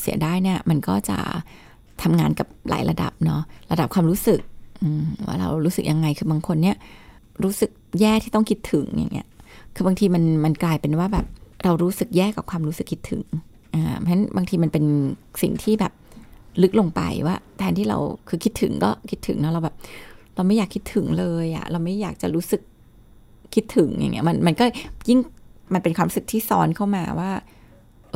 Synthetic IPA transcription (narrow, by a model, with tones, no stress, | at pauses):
sḭ˩˦daː˥˩jni˥˩ɐma˧nkɔː˥˩t͡ɕa̰˨˩ | t̪ʰa˧mŋaː˧nka˨˩p̚la̰ː˩˦jɾa̰˧da̰˨˩p̚nɔ˦˥ɾa˧da˨˩p̚kʰwaː˧mɾuː˦˥sɯ˨˩k̚ʔɯː˧mwʔa̰ː˥˩ɾa̰˧wɾuː˦˥sɯ˨˩k̚ja˧ŋːa˧jkʰɯː˧baː˧ŋkʰo˧nːi˦˥˩ɐ | ɾuː˦˥sɯ˨˩k̚jɛː˥˩k̚t̪ʰiː˥˩t̪ɔ˥˩ŋkʰi˦˥t̪ʰɯ˨˩˦ŋja̰˨˩ŋːʔi˦˥ɐkʰɯː˧baː˧ŋt̪ʰiː˧ma˧nma˧nklaː˧jpe˧nwaː˥˩bɛː˨˩p̚ɾa˧wɾuː˦˥sɯ˨˩k̚jɛː˥˩ka˨˩kʰwaː˧mɾu˦˥sɯ˨˩kʰːi˦˥t̪ʰɯ̰˨˩˦ŋ | ʔaː˧˩ma˧˦˥nbaː˧ŋt̪ʰiː˧ma˧npe˧nsḭ˨˩ŋt̪ʰiː˥˩bɛː˨˩p̚lɯ˦˥k̚lo˧ŋpa̰˧jwaː˥˩t̪ʰɛː˧nt̪ʰiː˥˩ɾa̰˧wkʰɯː˧kʰi˦˥t̪ʰːɯ̰˩˦ŋkɔː˥˩kʰi˦˥t̪ʰːɯ̰˨˩˦ŋnɔ˦˥ɾa˧wbɛː˨˩p̚ɾa˧wma˥˩jaː˨˩kʰːi˦˥t̪ʰɯ˨˩˦ŋlɤː˧jʔa̰˨˩ɾa˧wma˥˩jːaː˨˩k̚t͡ɕa̰˨˩ɾuː˦˥sɯ˨˩k̚ | kʰːi˦˥t̪ʰːɯ˨˩˦ŋjʔa̰˨˩ŋːʔi˦˥ʔma˧nma˧nkɔː˥˩ji˥˩ŋma˧npe˧nkwaː˧ɾuː˦˥sɯ˨˩t̪ʰiː˥˩sɔ̰ː˦˥nkʰa˥˩wmaː˧waː˥˩